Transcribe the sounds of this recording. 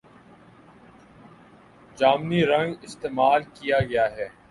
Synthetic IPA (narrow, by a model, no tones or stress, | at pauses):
d͡ʒaːmniɾɐ̃ŋɡɪst̪eːmaːlkijaɡɐjaɦɛː